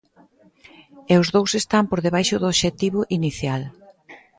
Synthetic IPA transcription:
eʊzðowsest̪ampoɾðeβ̞ajʃʊðʊoʃet̪iβʊʔiniθjal

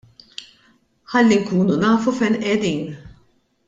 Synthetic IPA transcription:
ħɐlːiŋkuːnunɐːfufɛnʔɛd̪iːn

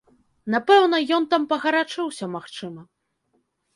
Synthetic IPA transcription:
napɛwn̪ɐjɔnt̪ampɐɣɐɾat͡ʂɨwsʲɐmaxt͡ʂɨmɐ

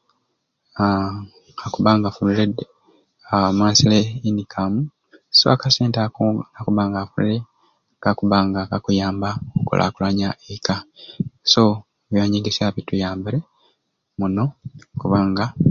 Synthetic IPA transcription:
akuβaŋɡafuliled | amaːsileinikʰamu | so̰akaseːntaakuβaːŋɡafulḭɾe | ɡakuβaŋɡakakujaːmbaokṵlʔa̰kulaɲaʔekaso̞ | βjaːɲiːŋɡisaβitujaːmbiɾe | muno̞kuβaːŋɡa

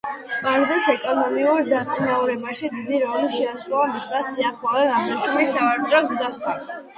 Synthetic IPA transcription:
maɡzɛsɛkʼɔnɔmiuɾd̪at̪sʼinauɾɛbaʃid̪id̪iɾɔniʃɛasɾɔamismasiaχlˠalɛnaɔʃumisavaɾt̪ʼɔɡzast̪ʰan

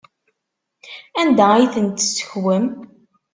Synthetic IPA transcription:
ænd̪æijθənt̪ːsə̥çwəm

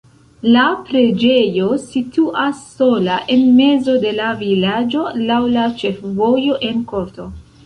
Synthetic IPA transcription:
lapɾe̞d͡ʒe̞jo̞situʔasːo̞laʔe̞nme̞zo̞de̞lavilad͡ʒo̞lawlat͡ʃe̞fvo̞jo̞ʔe̞nko̞ɾto̞

